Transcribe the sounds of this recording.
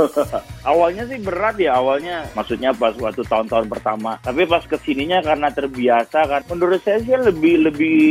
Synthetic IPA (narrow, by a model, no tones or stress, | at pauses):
ʔawalɲasɪhbəɾat̪̚jaːwalɲamaksut̪̚ɲapaswat̪ut̪aʊnt̪aʊnpərt̪amat̪apipaskəsiniɲakarənat̪ərbiasakaunduɾʊt̪̚sajasialəbɪhləbɪh